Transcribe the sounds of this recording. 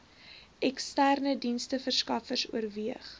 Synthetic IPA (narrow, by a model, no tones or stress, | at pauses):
ʔɛkstærnədinstəfərskɐfərsṵərviəχ